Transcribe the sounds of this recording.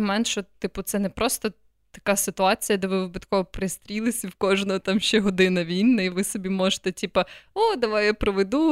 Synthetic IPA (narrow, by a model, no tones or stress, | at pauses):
mɔmɛnt̪ʃɔt̪ɪpʊt̪sɛnɛpɾʔɔst̪ɔ | t̪ɐkasɪt̪ʊɑt͡sʲijɐd̪ɛʋɪʋɪbɐt̪kɔɦɔpɾɪst̪ɾʲilˠɪsʲɐwkɔʒnɔɦɔt̪ɑmʃʲt͡ʃɛɦɔd̪ɪnɐʋʲinːɐiʋɪsɔbʲimɔʒet̪ɛtʲipɐod̪ɐʋajapɾɔʋed̪u